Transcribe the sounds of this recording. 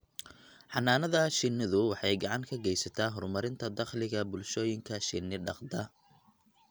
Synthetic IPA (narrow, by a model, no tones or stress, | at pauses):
ħɑnːaːnɐðɐʃɪnɪðʊwɑħɑjɡɑʕɑŋkʰɐɡɛjsɐt̪ʰaːɦɔrmɐɾɪnt̪ʰɐd̪ɑχlɪɣɐbʊlʃɔːjɪŋkʰɐʃɪnːɪɖɑqd̪ɐ